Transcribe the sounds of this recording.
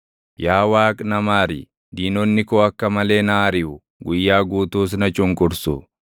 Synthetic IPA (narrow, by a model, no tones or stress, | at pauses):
jaːwaːkʼnɐmaːɾɪ̰ | d̪iːnɔnːɪkɔɐkːɐmɐle̞ːnaːɾɪʔʊ | ɡʊjːaːɡuːt̪uːs̬nɐt͡ʃʼʊŋkʼʊɾsʊ